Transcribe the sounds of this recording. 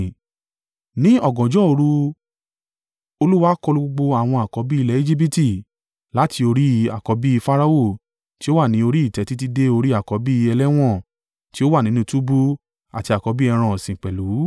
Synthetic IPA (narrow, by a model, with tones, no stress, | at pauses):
nĩ˦ɔ˦˨ɡɔ̃˨d͡ʒɔ˨˦o˧ɾu˧ | o˧lu˦wa˦kɔ˧lu˧ɡ͡bo˧ɡ͡bo˧a˨w̃ɔ̃˧a˨kɔ˨˧˦bi˦i˧lɛ˨˦e˦d͡ʒi˦p̬i˦ti˦˨ | la˨˦ti˧o˧ɾi˦a˨kɔ˨˧˦bi˦i˧fa˦ɾa˧o˦˨ | ti˦o˦wa˦˨nĩ˨˦o˧ɾi˦i˦˨tɛ˨˦ti˦t̬i˦de˦o˧ɾi˦a˦˨kɔ˨˧˦bi˦i˧ɛ˧lɛ˦w̃ɔ̃˦˨ | ti˦o˦wa˦˨nĩ˨˦nũ˦tu˦bu˦ | a˨ti˧a˨kɔ˧˦bi˦ɛ˧ɾ̃ã˧˨sĩ˨k͡pɛ˨lu˨˦